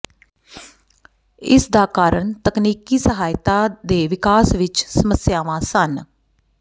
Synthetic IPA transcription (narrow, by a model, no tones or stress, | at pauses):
ɪ̰sd̪aːkaːɾəɳt̪əkniːkiːsəɦaːɪt̪aːd̪eːʋɪkaːsʋɪt͡ʃsəməsjaːʋãːsən